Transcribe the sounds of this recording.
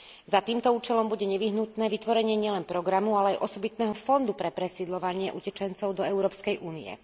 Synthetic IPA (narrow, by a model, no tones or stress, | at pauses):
zat̪iːmt̪ɔuːt͡ʃɛlɔmbuɟɛɲɛʋiɦnut̪nɛːʋit̪ʋɔɾɛɲɪɛɲɪɛlɛnpɾɔɡɾamualɛajʔɔsɔbit̪nɛːɦɔfɔnd̪upɾɛpɾɛsiːd̪lɔʋaɲɪɛʔucɛt͡ʃɛnt͡sɔʊd̪ɔɛʊɾɔːpskɛjʔuːniɛ̰